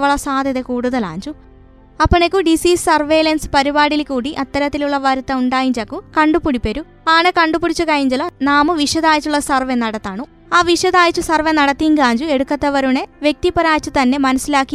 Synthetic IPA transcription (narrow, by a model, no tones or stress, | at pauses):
ʋɐɭɐsaːd̪ʱjɐðekuːɽuðɐla̰ːɲd͡ʑu | ɐpːɐɳekːuɖisiːssɐrʋeːlɐnsɨ̥pɐɾibaːɽilkuːɽiʔɐt̪ːɐɾɐt̪ːiluɭːɐʋɐɾut̪ːɐuɳɖaːjiɲd͡ʑɐkːukɐɳɖupuɽipːɐɾu | aːɳekɐɳɖupuɽit͡ɕːukɐjiɲd͡ʑɐlɐnaːmɨʋiʂjɐðaːjit͡ɕːuɭːɐsɐrʋenɐɽɐt̪ːaːɳu | aːʋiʂjɐðaːjit͡ɕːusɐrʋenɐɽɐt̪ːijŋɡaːɲd͡ʑue̞ɽukːɐt̪ːɐʋɐɾuɳe̞ʋje̞k̚t̪ipːɐɾaːjt͡ɕːut̪ɐnːe̞mɐnɐsːilaːkːi